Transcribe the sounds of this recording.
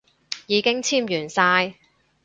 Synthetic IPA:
jiː˨˧kɪ˥ŋt͡sʰiː˥mjyː˨˩nsaː˧j

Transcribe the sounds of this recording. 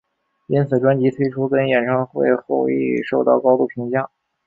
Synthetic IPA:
i˥nt͡sʰɹ̩˨˩ʈ͡ʂwa˥nt͡ɕi˧˥t̪ʰwe˥ɪʈ͡ʂʰu˥kə˥njɛ˨˩nʈ͡ʂʰɑ˥ŋxwe˥˧ɪxo˥˧ʊḭ˥˩ʂo˥˧ʊt̪ɑ̰˥˩ʊkɑ˥ʊt̪u˥˩pʰi˧˥ŋt͡ɕjɑ˥˩ŋ

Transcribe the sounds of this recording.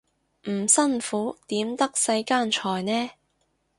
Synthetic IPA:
m̩˨˩sɐ˥nfuː˨˥t̪iː˨˥mt̪ɐ˥k̚sɐ˧jkaː˥nt͡ʃʰɔː˨jnɛː˥

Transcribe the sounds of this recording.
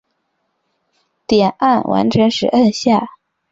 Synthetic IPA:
t̪jɛ˨˩nʔa˥˩nwʔa̰˧˥nʈ͡ʂʰə˧˥ŋʂɻ̩˨˧˩ʔə˥˧nɕja˥˩

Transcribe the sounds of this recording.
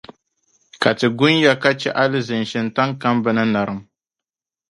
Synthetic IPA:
ka˨tɨ˨ɡʊ˦nja˦ka˦t͡ʃɛ˦ʔa˦lɨ˦zɨ˨n˨ʃɪ˨nta˦ŋka˦mbɨ˦nɨ˦na˨ɾɨ˦m

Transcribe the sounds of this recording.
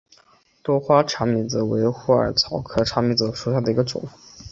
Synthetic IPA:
t̪wɔ˥xwa˥ʈ͡ʂʰa˧˥ŋmi˧˥d͡zɹ̩˧˩we˧˥ɪxu˥˩ə̰˞˨˩t͡sʰɑ˧˥ʊkʰɤ˥ʈ͡ʂʰa˧˥mi˧˥d͡z̩˧˩ʂu˨˩ɕja˥˩d̪ə˩i˧˥ɡə˧ʈ͡ʂʊ̰˨˩˦ŋ

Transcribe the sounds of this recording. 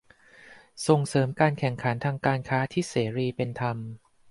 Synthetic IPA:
so˨˩ŋsɤː˩˦mkaː˧nkʰɛ˨˩ŋkʰa˩˦nt̪ʰaː˧ŋkaː˧nkʰaː˦˥t̪ʰiː˥˩seː˩˦ɾiː˧pe˧nt̪ʰa˧m

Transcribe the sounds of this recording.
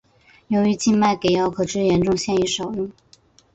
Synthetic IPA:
jo˧˥ʊy˧˥t͡ɕi˥˧nma˥˩ɪke˨˩ɪjɑ˥ʊkʰɤ˨˩ʈ͡ʂɻ̩˥jɛ˧˥nʈ͡ʂʊ˥˧ŋɕjɛ˥˧ni˧˥ʂo˨˩ʊjʊ˥˩ŋ

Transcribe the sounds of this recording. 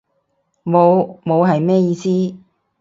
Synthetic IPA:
mo˨˧wmo˨˧wɦɐ˨jmɛː˥jiː˧siː˥

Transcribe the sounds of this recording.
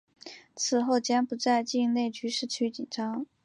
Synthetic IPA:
t͡sʰɹ̩˨˩xo˥˩ʊt͡ɕjɛ˥npu˧˥t͡sa˥˧ɪt͡ɕi˥˧ŋne˥˩ɪt͡ɕy˥ʂɻ̩˥˩t͡ɕʰy˥t͡ɕi˨˩nʈ͡ʂɑ˥ŋ

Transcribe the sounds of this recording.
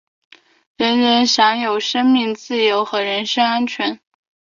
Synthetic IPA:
ɻə˧˥nɻə˧˥nɕjɑ˧˥ŋjo˨˩ʊʂə˥ŋmi˥˧ŋt͡sɹ̩˥˩jo˧˥ʊxɤ˧˥ɻə˧˥nʂɤ˥ŋa˥nt͡ɕʰɥɛ˧˥n

